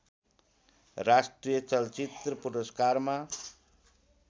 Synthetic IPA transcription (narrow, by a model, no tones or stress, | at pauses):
rasʈrijʌt͡sʌlt͡sit̪rʌpuɾʌskarma